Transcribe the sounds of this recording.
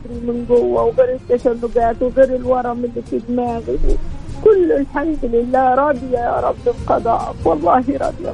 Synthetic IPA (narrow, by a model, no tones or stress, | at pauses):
ɾimɪnɡʊwːawɣeːɾɪt̪ːaʃanːʊɡaːt̪wɪɣeːɾɪlwɑɾˤɑmɪlːifɪd̪maːz̰ | kʊlːʊlħamiːd̪lɪlːaːɾˤɑd̪ɪjajɑ̰ɾˤɑbːɪlqɑd̪ˤɑ̰ːʔɪ̰kwɑlˤːɑːhiɾˤɑ̰d̪ja̰